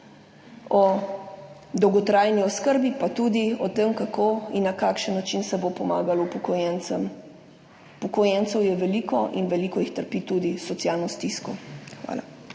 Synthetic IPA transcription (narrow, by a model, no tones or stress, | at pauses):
ɔ | d̪ɔwɡɔt̪ɾaːjniɔskəɾbipat̪ud̪iɔt̪emkakʰoinːakaːkʃənːat͡ʃinsɛbopɔma̰ːɡalɔupɔkɔjɛnt̪səm | pɔkɔjɛnt̪sɛwjɛʋɛliːkɔʔinʋɛliːkɔjixt̪əɾpit̪ud̪isɔt̪sjaːlnɔst̪iskɔxʋa̰ːla̰